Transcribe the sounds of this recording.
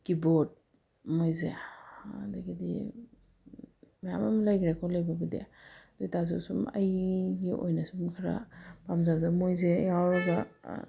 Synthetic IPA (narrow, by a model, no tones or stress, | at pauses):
kibot̚ | mojzeadaɡidḭ | maja̰mamlajɡiɾakʰawlajbabadjḛd̥ujtazawsuma̰jɡiʔo̰jnasumkʰaɾa̰pamzazamojzejawɾaɡa